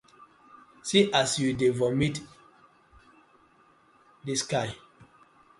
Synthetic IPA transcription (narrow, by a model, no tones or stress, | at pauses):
siʔasjudevɔmit | diskaj